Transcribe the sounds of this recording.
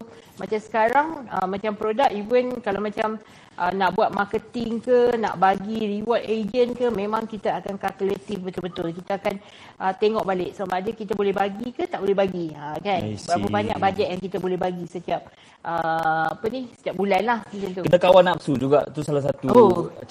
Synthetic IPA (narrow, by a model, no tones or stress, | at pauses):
mat͡ʃamsə̥kaɾaŋə̰mãt͡ʃampɾodak̚ivənkalawmãt͡ʃam | ʔə̰naʔbuat̪̚makət̪ɪŋkənã̰ʔbaɡiɾiwɔt̪ed͡ʒənkəmẽmãŋkit̪aakankalkulet̪ifbət̪ʊlbət̪ʊlkit̪aakan | ʔət̪eŋɔʔbalɪʔ̚səbamaʔadəkit̪abolɛɦbaɡikət̪aʔbolɛhbaɡiəkanbəɾapabaɲa̰k̚bad͡ʒaʔ̪̚jaŋkit̪abolɛhbaɡisət̪iap̚ | ʔəapənisə̥t̪iap̚bulanlahmuk̪int̪ukənakawanap̚sud͡ʒuɡa̰ʔt̪usalas̬at̪uo